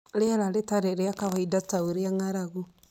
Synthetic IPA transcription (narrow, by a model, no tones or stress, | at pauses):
ɾeaɾaɾetaɾeɾeakaβaidataoɾeaŋaɾaɣu